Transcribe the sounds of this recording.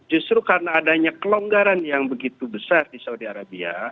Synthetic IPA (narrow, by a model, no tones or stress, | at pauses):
d͡ʒust̪ɾukaɾənaːdaɲakəloŋɡaɾanjaŋbəɡit̪ubəsardisaudiaɾabia̰